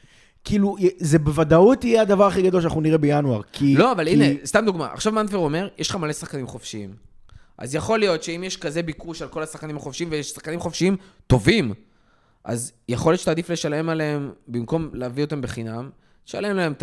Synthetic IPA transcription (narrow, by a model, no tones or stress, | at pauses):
kilujɛzebevad̪aut̪ijead̪avaʁaχiɡad̪olʃanaχnuniʁebejanuaʁkkʰilo̞avalinest̪amd̪uɡma̰ʔa̰χʃavmanfeʁo̞me̞ʁjeʃχamalesaχkanimχo̞fʃiim | ʔa̰zjaχo̞lijo̞t̪ʃe̞imjeʃkaze̞bikuʃalko̞lasaχkanimhaχofʃiimvejeʃsḁχkanimχofʃiimt̪o̞vim | ʔa̰zjeχoljott͡ʃe̥taːd̪ifle̞ʃale̞maleembimko̞mleavio̞t̪ambeχinam | ʃa̰le̞mlaemt